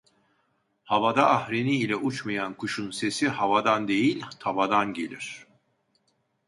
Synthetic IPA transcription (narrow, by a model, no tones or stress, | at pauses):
havad̪aʔːhɾiniːlʲɛʔut͡ʃmajankuʃunse̞sihavad̪and̪e̞jilʲt̪ʰabad̪anɟe̞lʲiɾ̝̥